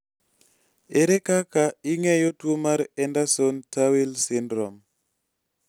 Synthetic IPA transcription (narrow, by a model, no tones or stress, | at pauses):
eɾekakaiŋɛjotwomaɾɛndasontawilsɪndɾɔm